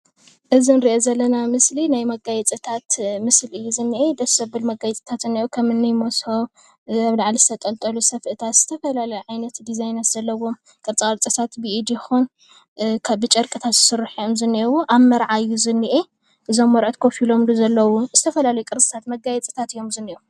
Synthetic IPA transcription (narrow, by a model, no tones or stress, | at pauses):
ʔɨzinɨɾiʔozɐlːɐnamɨslinajmɐɡajɛt͡sʼɨt̪ʰat̪mɨslɨjːuzɨnːiʔed̪ɐsɐbɨlmɐɡajɛt͡sʼi̥t̪ʰat̪ɨnːiʔukʰɐmɨnːɨjmosho̞ | aβlaʕlizɨt̪ʰɐt̪ʼɐlt̪ʼɐlusɐfʔɨt̪ʰat̪z̥ɨt̪ʰɐfɐlalɐjuʕajnɐt̪d̪izajnɐsz̥ɐlːɐwo̞m | kʼɨɾt͡sʼɨkʼɐɾt͡sʼɨt̪ʰat̪bɨʔid̪ixun | kʰaβbɨt͡ʃʼɐɾkʼɨt̪ʰat̪z̥ɨsɨrːɨħijo̞mzɨnːiwuʔaβmɐɾʕajːuzɨnːiʔe | ʔɨzo̞mːɐɾʕot̪kʰofilo̞mluzɐlːɐwuz̥ɨt̪ʰɐfɐlalɐjukʼɨɾt͡sʼɨ̥t̪ʰat̪mɐɡajɛt͡sʼi̥t̪ʰat̪ɨjo̞mzɨnːiu